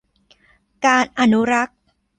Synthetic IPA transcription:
kaː˧nʔa˧nu˦˥ɾa˦˥k̚

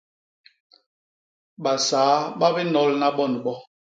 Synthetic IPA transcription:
ɓa˨saː˨˦ɓa˦bɛ˦nɔ˦lna˦ɓɔ˦˨n˨ɓɔ˦

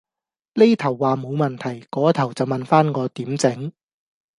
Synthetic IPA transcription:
le˥jt̪ʰɐ˨˩wːaː˨mo˨˧wmɐ˨nt̪ʰɐ˨˩jkɔː˨˥t̪ʰɐ˨˩wt͡sɐ˨˩wmɐ˨nfaː˥nŋɔː˨˧t̪iː˨˥mt͡sɪ˨˥ŋ

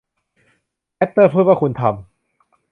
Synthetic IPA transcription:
ʔɛ˦˥t̪ːɤː˥˩pʰɯː˥˩waː˥˩u˧nt̪ʰa˧m

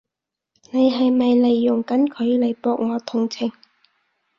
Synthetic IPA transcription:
ne˨˧jɦɐ˨jmɐ˨jle˨jːʊ˨˩ŋkɐ˨˥nkʰɵ˨˧ɥle˨˩jpɔː˨˧k̚ŋɔː˨˧t̪ʰʊ˨˩ŋt͡sʰɪ˨˩ŋ

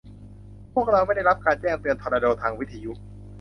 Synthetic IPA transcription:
pʰu˥˩ək̚ɾa˧wma˥˩jda˥˩jɾa˦˥p̚kaː˧nt͡ɕɛː˥˩ŋt̪ɯ˧ənt̪ʰɔː˧ɾaː˧doː˧t̪ʰaː˧ŋwi˦˥t̪ʰːa˧ju˦˥ʔ

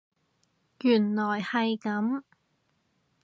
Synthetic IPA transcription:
jyː˨˩nlɔː˨˩jhɐ˨jkɐ˨˥m

